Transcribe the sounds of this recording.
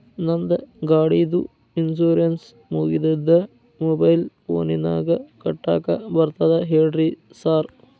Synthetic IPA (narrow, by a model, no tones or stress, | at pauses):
nɐnd̪ɐɡaːɽiːd̪u | insoːɾɐns | moɣid̪ɐd̪ɐ | mobɐjlfo̰ːninaːɡɐkɐʈːa̰ːkːɐbɐrt̪ɐðɐɦeːɖri | saːr